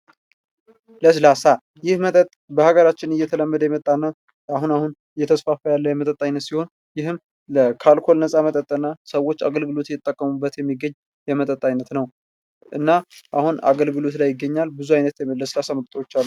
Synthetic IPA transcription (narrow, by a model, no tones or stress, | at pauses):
ləslasa | jɪhmət̪ʼət̪ʼbəhaɡəɾat͡ʃːɪnɨjɛt̪ʰələmːəd̪əjɛmət̪ʼːanːa | ahunahun | jɛt̪ʰəsfafəjalːəjɛmət̪ʼət̪ʼːajnːət̪siho̞n | jɪhɨm | ləkʰalkʰo̞lnəsʼamət̪ʼət̪ʼːənːasəwo̞t͡ʃːaɡəlɡɨlo̞t̪jɪt̪ʼːəkʼːəmubːət̪jɛmːiɡəɲ | jɛmət̪ʼət̪ʼːajnːət̪nəw | ʔɨnːaʔahuna̰ɡəlɡɨlo̞t̪lajːɪɡːəɲːalbɨzuajnət̪jɛləslasaməɾt̪ʼəwot͡ʃːalː